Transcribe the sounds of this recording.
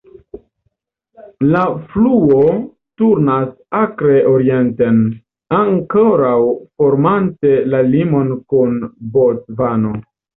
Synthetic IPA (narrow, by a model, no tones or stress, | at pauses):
lafluo̞ | tuɾnas | akɾe̞ʔo̞ɾie̞nte̞n | aŋko̞ɾawfo̞ɾmante̞lalimo̞nkunbo̞tvano̞